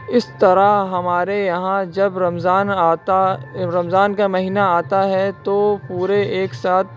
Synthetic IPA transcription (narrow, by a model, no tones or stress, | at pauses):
ɪst̪ɐɾaɦɐmaːɾejɐɦãd͡ʒɐbɾɐmzaːnaːt̪aɾɐmzaːnkamɐɦiːnaaːt̪aɦɛt̪opuːɾeeːksaːt̪̚